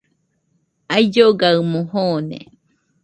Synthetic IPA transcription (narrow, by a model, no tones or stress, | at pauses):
ajd͡ʒoɡaɨmõhonḛ